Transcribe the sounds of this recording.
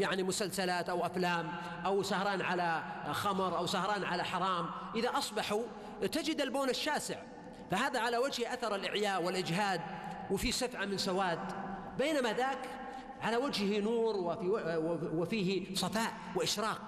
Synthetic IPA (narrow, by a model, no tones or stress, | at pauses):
jaʕnimʊsalsalaːt̪ʔawʔaflaːm | ʔawsahɾˤɑːnʕalaxɑmɾˤʔawsahɾˤɑːnʕalaħɑɾˤɑːmʔɪðaʔɑsˤbɑħu | t̪ad͡ʒɪd̪alboːnaʃːaːsɪʕ | fahaːðaʕalawad͡ʒhʔaθɑɾˤɪlʔɪʕjaːʔwɪlʔɪd͡ʒɦaːd̪̚wɪfisafʕamɪnsawaːd̪ | beːnamaðaːk | ʕalawad͡ʒhhinuːɾw | wɪfiːhsˤɑfaːʔ | wɪʔɪʃɾˤɑːq̚